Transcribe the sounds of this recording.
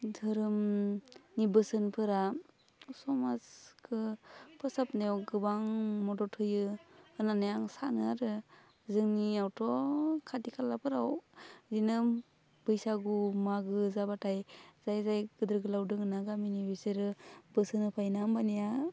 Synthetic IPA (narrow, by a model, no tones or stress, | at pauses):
dʱɯɾɯm | nibɯsɯnpʰɯɾa | sɔmaskʰɯpʰɯsapnewɡɯbaŋmɔdɔtʰɯjɯɯnanajaŋsanɯaɾɯ | zɯŋniawtʰɔkʰadikʰalːapʰɯɾawzinɯm | b̥ɯjsaɡumaɡɯzabatʰajz̥ajzajɡɯdɯɾɡɯlawdɯŋɯnaɡaminibisɯɾɯbɯsɯnɯpʰajnambanija